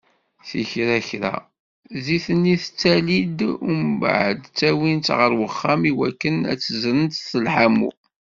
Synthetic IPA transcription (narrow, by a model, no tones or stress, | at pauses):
θḭçɾæçɾæ̰ | ziθənːiθt͡sːælid̪umb̰ʕəd̪t͡sːæwint̪ʁəɾwəχːæmiwækːənæ̰t͡sːəzɾənt̪θəlħamṵ